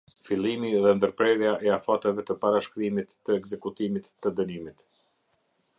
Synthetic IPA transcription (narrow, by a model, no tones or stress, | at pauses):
filˠimiðɛnd̪əɾpɾɛɾjaʔɛafat̪ɛvɛt̪əpaɾaʃkɾimit̪ːəɛkzɛkut̪imit̪ːəd̪ənimit̪